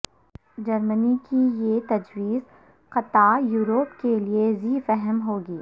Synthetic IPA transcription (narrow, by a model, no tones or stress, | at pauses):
d͡ʒɐɾmənikijet̪ɐd͡ʒwiːz | qɐt̪ajuːɾoːpkelieziːfɛɦəmɦoːɡiː